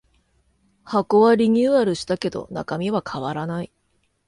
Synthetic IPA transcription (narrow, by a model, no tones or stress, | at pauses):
hako̞βaɾʲiɲ̟ʲɨːaɾɯ̟ɕi̥t̪ake̞d̪o̞̰na̰kamʲiβakʰaβaɾanai